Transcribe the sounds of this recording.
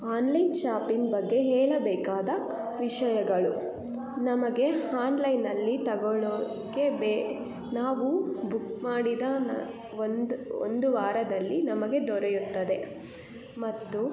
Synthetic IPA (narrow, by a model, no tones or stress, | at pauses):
aːnlɐjnt͡ʃaːpiŋbɐɡːe̞ɦɛːɭɐbɛːkaːd̪ɐ | ʋiʂɐjɐɡɐɭu | nɐmɐɡe̞aːnlɐjnɐlːit̪ɐɡɔɭo | keb | naːʋubukmaːɽid̪ɐ | o̰nd̪uʋaːɾɐd̪ɐlːinɐmɐɡe̞d̪ɔɾejut̪ːɐd̪e̞ | mɐt̪ːu